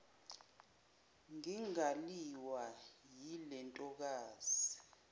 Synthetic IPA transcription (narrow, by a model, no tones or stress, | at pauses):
ŋiŋaliwajilɛntʼɔk̬aːz̥i